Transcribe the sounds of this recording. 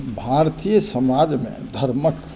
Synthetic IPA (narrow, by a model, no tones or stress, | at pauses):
bʱaɾt̪ijəsəmaːd͡ʒmḛ̃d̪ʱəɾmək